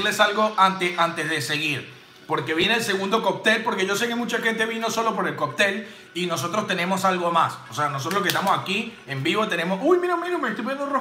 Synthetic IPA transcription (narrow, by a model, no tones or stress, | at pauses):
lesalɣo̞ʔant̪eʔant̪e̞zðese̞ɣiɾ | po̞ɾke̞βjeneːlse̞ɣũnd̪o̞kop̚t̪e̞lpo̞ɾke̞ʝo̞se̞ke̞mut͡ʃaxẽ̞nt̪e̞βino̞solo̞p̬o̞ɾe̞lkop̚t̪e̞l | ino̞s̬o̞t̪ɾo̞st̪e̞nẽ̞mo̞salɣo̞masoseanosot̪ɾolokest̪amosaki | embiβo̞t̪ene̞mosujmiɾomiɾomeest̪ojpojend̪ore